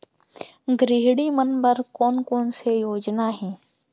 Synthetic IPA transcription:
ɡɾɪɦɽimənbəɾkɔːnkɔːnsejoːd͡ʒnaɦɛ̃ː

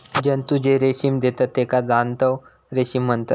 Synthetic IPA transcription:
d͡ʑənt̪ud͡ʑeɾeɕimd̪et̪at̪ːekad͡zant̪əw | ɾeɕimːənt̪ə̰t̪

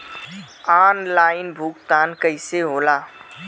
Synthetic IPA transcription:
aːnlaːɪnbʱukt̪aːnkəɪseɦoːlaː

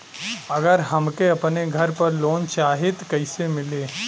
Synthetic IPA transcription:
ɐɡəɾɦɐmkeɐpneɡʱɐɾpɐɾloːnt͡ʃaːɦɪt̪kɐɪsemɪleː

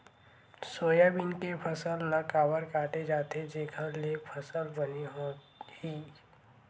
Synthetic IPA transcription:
soːjabɪnkepʰəsəlnəkaːbəɾkaːʈed͡ʒaːt̪ed͡ʒeːkʰə̃lepʰəsəlbəniɦo | hiː

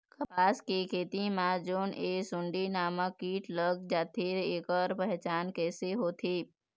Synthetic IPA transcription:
kɐpaːskikʰeːt̪imãd͡ʒoːneːsʊɳɖinaːmãkiːʈləɡd͡ʒaːt̪ʰiɾeːkəɾpɛɦt͡ʃaːnkɛːseɦoːt̪ʰiː

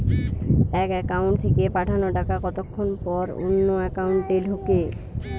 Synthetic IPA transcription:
ɛkɛkawɳʈt̪ʰekepaʈʰanoʈakakɔt̪okʰːonpɔɾṵnːoɛkauɳʈɖelɦoke

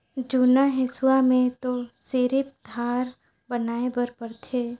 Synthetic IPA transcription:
d͡ʒuːnaɦɪsʊwamẽt̪oseɾɪp̚d̪ʱaːɾ | bənaːebəɾpəɾt̪ʰeː

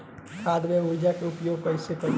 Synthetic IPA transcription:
kʰad̪meud͡ʒakeupjoɡ̚pəjsekə

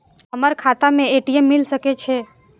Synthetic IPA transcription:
ɦəməɾkʰat̪amẽeʈiemːilsəket͡ʃʰe

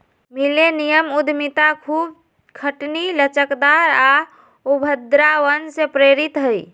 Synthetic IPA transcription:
milenijəmud̪ʱmit̪akʰub̚ | kʰəʈnilət͡ʃəkd̪aɾa | ubʱəd̪ɾawənsepɾeɾit̪ɦəj

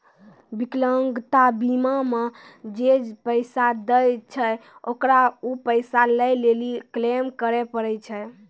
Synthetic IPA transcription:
bikləŋɡt̪abimame | d͡ʒed͡ʒpəjsad̪əjt͡ʃʰɛokɾaupəjsaləjleliklemkəɾɛpəɾɛjt͡ʃʰɛ

